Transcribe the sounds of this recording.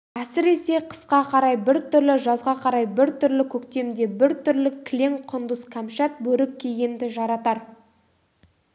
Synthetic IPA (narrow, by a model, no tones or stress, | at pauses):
æsɪɾe̞se̞qʰə̥sqɑqʰɑɾɑjbɪɾt̪ʰʏɾlɪʒɑzʁɑqʰɑɾɑjbɪɾt̪ʰʏɾlɪkʲʰɵkt̪e̞md̪e̞bɪɾt̪ʰʏɾlɪkʲʰlʲe̞ŋqʰʊnd̪ʊskʰamʃɑt̪̚bɵɾɪkʲʰːejɡʲend̪ɪʒɑɾɑt̪ɑɾ